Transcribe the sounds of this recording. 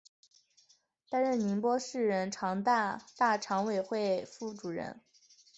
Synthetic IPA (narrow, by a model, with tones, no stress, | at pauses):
t̪a˥nɻə˥˩ni˧˥npwɔ˥ʂɻ̩˥˩ɻə˧˥nʈ͡ʂʰɑ˧˥ŋt̪a˥˧t̪a˥˩ʈ͡ʂʰɑ˧˥ŋwe˨˩ɪxwe˥˩ɪfu˥˩ʈ͡ʂu˨˩ɻə̰˧˥n